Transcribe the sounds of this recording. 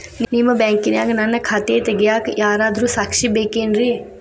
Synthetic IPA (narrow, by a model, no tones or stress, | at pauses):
nniməbɛ̃ːŋkinaːɡnanɐkʰat̪eːt̪eɡɪjaːkjaːɾad̪ɾuːsakʃibeːkeːnɾiː